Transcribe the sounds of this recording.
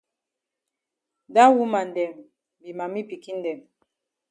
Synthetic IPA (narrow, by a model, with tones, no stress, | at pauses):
da˦wu˦ma˨ndɛ˨m | bi˨ma˨mi˦pi˨ki˦n˦dɛ˨m